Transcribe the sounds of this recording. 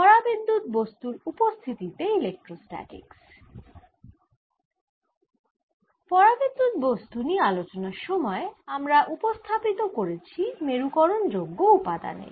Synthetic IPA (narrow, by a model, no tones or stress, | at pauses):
pɔɾabind̪ʱut̪̚bost̪uɾupost̪ʰit̪it̪eilek̚ʈɾosʈɛ̰ʈḭks | pɔɾabind̪ʱut̪̚bost̪unialot͡ɕonaɾʃɔmɔeamɾaʔupost̪ʰapit̪okoɾet͡ɕʰimeɾukɔɾond͡ʑoɡːoupad̪a̰nḛɾ